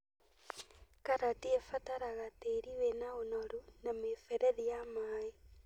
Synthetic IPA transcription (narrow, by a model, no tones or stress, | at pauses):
kaɾatiefataɾaɣateɾiwenaonɔɾunamefɛɾɛðijamaːe